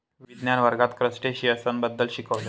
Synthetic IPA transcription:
ʋʋid̪njanʋəɾɡat̪kɾəsʈeɕiəsənbəd̪ːəlɕikəʋla

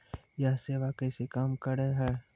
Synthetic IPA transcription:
jaɦseːʋakəsekaːmkəɾeɦɛː

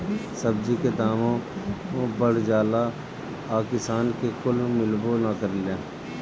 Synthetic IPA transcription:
səb̚d͡ʒiked̪aːmõõbəɽd͡ʒaːla | aːkɪsaːnkekʊlmɪlbonakəɾileː

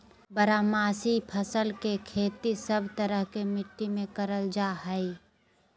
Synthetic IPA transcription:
bəɾaːmaːsipʰəsəlkekʰeːt̪isəbʱt̪əɾəɦkemɪʈːimẽkəɾəld͡ʒaːɦəi

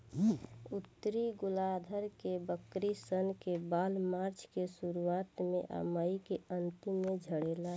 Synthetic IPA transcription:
ut̪ːɾiɡʊlad̪ʱəɾkebəkɾisənkebaːlmaɾt͡ʃʰkesuɾuat̪mẽʔa̰maəikeənt̪imːẽd͡ʒʱəɽela

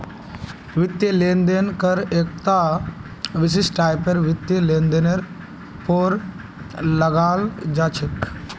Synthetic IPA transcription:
ʋɪt̪jəleːnd̪enkɐɾeːk̚t̪a | ʋɪs̬ɪsʈaːjpeɾʋɪt̪jəleːnd̪eneɾ | poɾ | lɐɡaːld͡ʒaːt͡ʃʰɪk

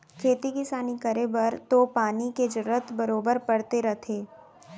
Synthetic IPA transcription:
kʰeːt̪ikɪsaːnikɐɾebɐɾt̪opaːniked͡ʒʊɾət̪bɐɾoːbəɾpɐɽt̪eɾɐt̪ʰeː

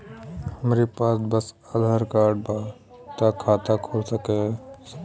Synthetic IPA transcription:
həmɾipaːsbəs | əd̪ʱaɾkaːɾɖ̚ba | t̪akʰat̪akʰolsəkɛsək

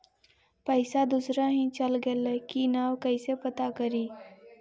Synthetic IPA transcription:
pəɪsad̪usɾaɦĩt͡ʃəlɡeləkinaːwkəɪsepət̪akəɾiː

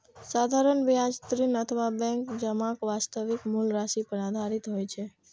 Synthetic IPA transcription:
sad̪ʱaɾəɳʋijad͡ʒt̪ɾinət̪ʰəʋabɛ̃ŋkd͡ʒəmãkʋast̪əʋikmulɾaʃipəɾad̪ʱaɾit̪ɦojt͡ʃʰe

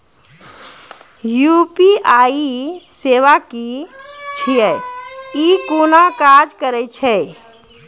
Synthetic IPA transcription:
jupiaiseʋakit͡ʃʰijɛ | ikonakad͡ʒkəɾɛt͡ʃʰɛ

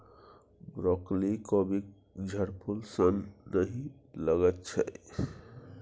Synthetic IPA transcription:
bɾɔklikɔbik | d͡ʒʱəɾpʰulsənːəɦĩləɡət̪̚t͡ʃʰə̰

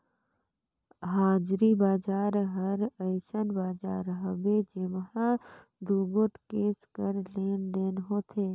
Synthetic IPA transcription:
ɦaːd͡ʒɾibaːd͡ʒaːɾɦəɾəɪsənbaːd͡ʒaːɾɦəbed͡ʒemɦã | d̪uːɡoʈkeːskəɾleːnd̪eːnɦoːt̪ʰeː

